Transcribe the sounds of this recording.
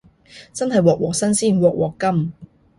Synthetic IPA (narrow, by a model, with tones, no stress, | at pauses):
t͡sɐ˥nhɐ˨jwɔː˨k̚wɔː˨k̚sɐ˥nsiː˥˩nwɔː˨k̚wɔː˨kːɐ˥m